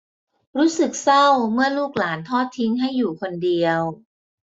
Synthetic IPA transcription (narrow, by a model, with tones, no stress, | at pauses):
ɾuː˦˥sɯ˨˩k̚sa˥˩wmɯ˥˩ɐluː˥˩k̚laː˩˦nt̪ʰɔː˥˩t̪ʰːi˦˥ŋɦa˥˩jːuː˨˩kʰo˧ndi˧əw